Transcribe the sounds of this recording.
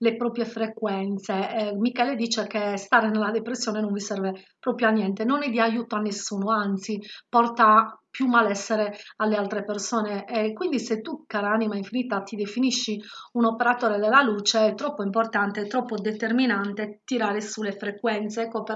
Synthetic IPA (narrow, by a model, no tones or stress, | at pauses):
lepɾoːpɾjefɾekwɛnt̪semikɛːled̪iːt͡ʃekest̪aːɾenelːad̪epɾesːjɔːnenoɱvisɛrvepɾopɾjoanːjɛnt̪enonɛd̪iajuːt̪oanːesːuːnoant̪sipɔrt̪apjumːalɛsːeɾealːealt̪ɾepersɔːneɛkwind̪iset̪ːukaɾaanimaiɱfinit̪at̪id̪efiniʃːiunɔpeɾat̪ɔːɾed̪elːaluːt͡ʃeɛt̪ːɾɔpːoimport̪ant̪eɛt̪ːɾɔpːod̪et̪erminant̪et̪iɾaːɾesulːefɾekwɛnt̪seɛkːope